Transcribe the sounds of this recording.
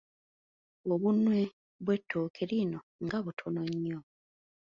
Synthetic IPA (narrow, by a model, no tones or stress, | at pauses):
oβunwe̞ | βwe̞tːoːkʰeɾino | ŋɡaβutʰonoɲːo